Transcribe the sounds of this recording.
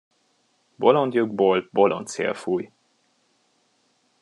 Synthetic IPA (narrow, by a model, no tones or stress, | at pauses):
bolond̪juɡbolbolʔo̰nt̪sḛlfuːj